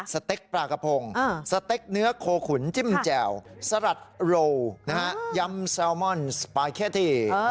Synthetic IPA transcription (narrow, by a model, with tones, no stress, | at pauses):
sa˧t̪e˦˥k̚pɾaː˧ka˧pʰo˧ŋ˧˩sa˧t̪e˦˥k̚nɯ˦˥ɐkʰoː˧kʰu˨˩˦nt͡ɕi˥˩mt͡ɕɛː˨˩wsa˧ɾa˨˩t̪̚ɾoː˧wna˦˥ha˦˥ja˧˥msɛː˧wmɔ˥˩nspaː˧jkʰe˦˥˩t̪ʰiː˥˩